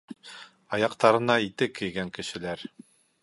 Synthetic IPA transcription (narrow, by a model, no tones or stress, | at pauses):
ɑjɑqt̪ɑɾɤ̆nɑit̪ɘkɘ̆jɡæŋkɘ̆ʃɘ̆læɾ